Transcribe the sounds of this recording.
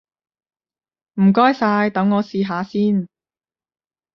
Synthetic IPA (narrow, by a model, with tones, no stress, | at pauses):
m̩˨˩kɔː˥jsaː˧jt̪ɐ˨˥ŋːɔː˨˧siː˨ɦaː˨˧siː˥n